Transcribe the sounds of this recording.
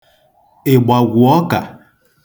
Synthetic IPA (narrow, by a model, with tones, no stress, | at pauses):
e˨ɡ͡ba˨ɡʷu˨ɔ˦ka̰˨